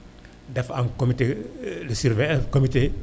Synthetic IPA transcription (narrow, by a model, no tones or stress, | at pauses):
dɛfankomitelisiɾvɛkomite